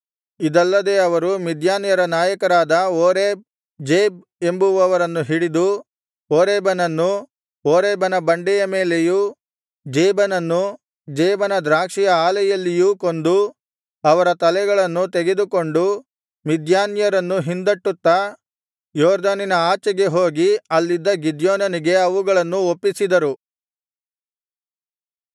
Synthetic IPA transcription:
id̪ɐlːɐd̪e̞ːɐʋɐɾumid̪jaːnjɐɾɐnaːjɐkɐɾaːd̪ɐoːɾeːb̚ | d͡ʒeːb̚ | e̞mbuʋɐʋɐɾɐnːuɦiɽid̪u | oːɾeːbɐnɐnːu | oːɾɛːbɐnɐbɐɳɖɛjɐmeːleju | d͡ʒeːbɐnɐnːu | d͡ʒɛːbɐnɐd̪ɾaːkʂijɐaːlɐjɐlːijuːko̞nd̪u | ɐʋɐɾɐt̪ɐlɛɡɐɭɐnːut̪eɡe̞d̪uko̞ɳɖu | mid̪jaːnjɐɾɐnːuɦind̪ɐʈːut̪ːɐ | jɔːɾd̪ɐninɐaːt͡ʃɐɡe̞ɦoːɡiɐlːid̪ːɐɡid̪joːnɐniɡe̞ɐʋuɡɐɭɐnːuopːisid̪ɐɾu

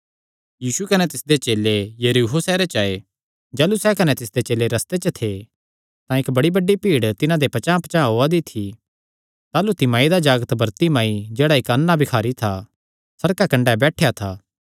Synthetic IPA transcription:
jiːsukɐnɛt̪ɪsd̪et͡ʃeːlejɐɾiɦosɛːɾet͡ʃaːe | d͡ʒaːlusɛkɐnɛt̪ɪsd̪et͡ʃeːleɾɐst̪et͡ʃət̪ʰe | t̪ãɪkbɐɽibɐɖːipiːɽt̪ɪnãd̪epɐt͡ʃãːpt͡ʃãɦoad̪it̪ʰi | t̪aːlut̪ɪmãːid̪ad͡ʒaːɡət̪bɐɾt̪imaːid͡ʒeːɽaɪkɐnːabɪkʰaːɾit̪ʰa | sɐɾkakɐ̃ɳɖabɛːʈʰejat̪ʰaː

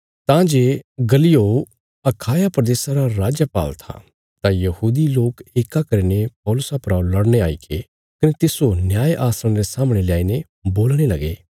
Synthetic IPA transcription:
t̪ãd͡ʒeːɡɐlɪjo | ɐkʰaːjapɾɐd̪eːsaɾaɾaːd͡ʒjəpa̰ːlt̪ʰa̰ | t̪ãjɐhuːd̪iloːkeːkakɐɾinep̚ɔːlʊsapɾalɐɽñeaːḭkʰe | kɐnet̪ɪsonjaːjʔaːsɾəɽ̃ɾesaːmɽ̃elɪaːine | boːlɽ̃elɐɡeː

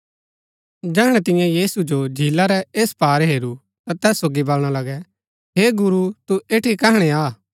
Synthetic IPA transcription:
d͡ʒɛːɦəɽ̃ɛ̃t̪ɪ̃jãjiːsud͡ʒod͡ʒʱiːlaɾɛeːspaːɾɦeːɾu | t̪at̪ɛːsːoːɡibɐlɽ̃alɐɡɛ | ɦeːɡʊɾut̪ueːʈʰikɛɦɽ̃ɛaː

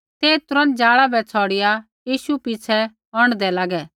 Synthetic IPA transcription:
t̪eːt̪ʊɾə̃nd͡ʒaːɭabɛt͡sʰɔːɽɪja | jiːʃupit͡sʰɛ | ɔɽ̃d̪ɛlaːɡɛː

